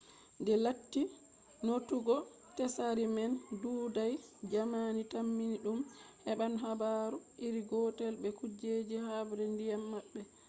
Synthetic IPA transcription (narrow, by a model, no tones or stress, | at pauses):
ndɛlatːi | notuɡɔ | tɛsaɾimɛnduːdajd͡ʒamanitamːiniɗumhɛbanɦabaɾuʔiɾiɡɔtɛlbɛkud͡ʒed͡ʒihabɾɛndijamːaɓːɛ